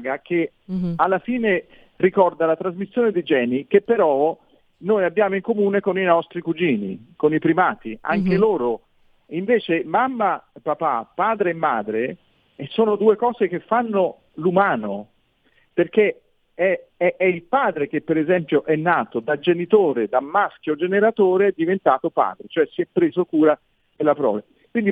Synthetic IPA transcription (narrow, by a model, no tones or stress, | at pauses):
ɡake | alːafiːne | rikɔrd̪alat̪ɾazmisːjoːned̪id͡ʒɛːnikepːeɾɔ | noːjabːjaːmoiŋkomuːnekoninɔst̪ɾikud͡ʒiːnḭkonipɾimaːt̪ia̰ŋk̟eloːɾo | iɱveːt͡ʃemamːapapa̰pːaːd̪ɾeːmːaːd̪ɾe | ɛsoːnod̪uːekɔːzek̟efːanːo | lumaːno | perk̟e | ɛɛʔɛilpaːd̪ɾek̟epːeɾezɛmpjoʔɛnːaːt̪od̪ad͡ʒenit̪oːɾed̪amːask̟jod͡ʒeneɾat̪oːɾeɛd̪ːivent̪aːt̪opa̰ːd̪ɾet͡ʃoɛsiɛpːɾeːzokuːɾa | d̪elːapɾɔ̰ːla | kwind̪i